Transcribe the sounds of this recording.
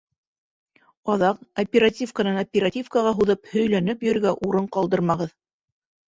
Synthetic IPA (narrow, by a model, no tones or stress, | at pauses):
ɑðɑqɐpʲeɾatʲifkanɑnɐpʲeɾatʲifkaʁɑɦuðɤphɵ̆jlænɘpjɵ̆ɾɡæʔuɾɤɴqɑlˠd̪ɤɾmɑʁɤð